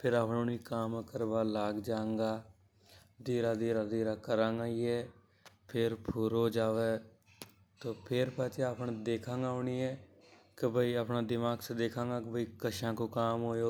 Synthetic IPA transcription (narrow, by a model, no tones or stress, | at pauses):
pʰɪɾaːpnõːniːkaːmkəɾbaːlaːɡd͡ʒaːŋɡaː | d̪iːɾaːd̪iːɾaːd̪iːɾaːkəɾãːŋɡaːiɛː | pʰɪɾpʰʊɾoːd͡ʒaːʋeː | t̪oːpʰɪɾpaːt͡ʃeapnd̪eːkʰãːŋɡaːʊniɛː | kɪbʱəiːəːpnaːd̪ɪmaːɡsed̪eːkʰãːŋɡaːkɪbʱəiːkəʃãːkoːkaːmɦoːjoː